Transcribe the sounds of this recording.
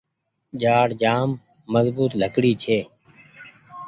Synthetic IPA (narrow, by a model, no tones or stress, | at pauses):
ʄaːɽd͡ʒaːmː | əzbuːt̪ləkɽiːt͡ʃʰeː